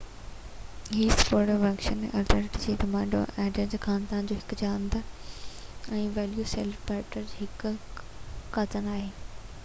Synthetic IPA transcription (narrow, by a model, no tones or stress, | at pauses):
ɦiːsfoːɾɽəʋɐ̃kʃənɛ̰̃ːʔɐːɾt̪ʰɔːɾɪʈid͡ʑeːdɐmãːɳɖo̰ʔɛːɖəd͡ʑkʰãːnd̪aːnd͡ʑoːɦɪkʊd͡ʑaːnd̪ | ɛ̃ːʋɛːljusɛːlfbɛːʈəɾd͡ʑɦɪkʊ | xat̪ənaːɦeː